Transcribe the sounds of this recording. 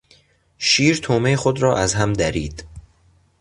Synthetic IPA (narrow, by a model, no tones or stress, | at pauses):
ʃiːɾt̪ʰoːmeexod̪ɾɒːʔæzɦæmd̪æɾḭːd̪̥